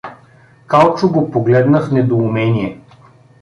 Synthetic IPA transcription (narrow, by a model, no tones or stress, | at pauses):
kalˠt͡ʃʊɡopoɡlɛd̪nəxnɛd̪oumɛniɛ